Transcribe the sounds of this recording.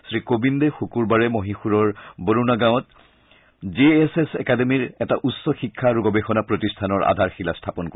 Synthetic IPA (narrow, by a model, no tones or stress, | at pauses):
sɹikobindexukuɹbaɹɛmoɦĩxuɹɔɹboɹunaɡãwɔt | zeesesɛkademiɹɛtaʔusːɔxikʰːaɹuɡɔbexɔnapɹotistʰanɔɹʔa̰dʱaɹxilastʰapɔnko